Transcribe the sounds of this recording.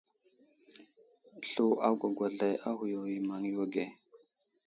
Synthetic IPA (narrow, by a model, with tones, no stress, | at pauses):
ɬu˨ʔa˦ɡʷa˨ɡʷa˨ɮa˨ja˦hu˨jo˨i˨ma˨ŋi˦wa˦ɡe˨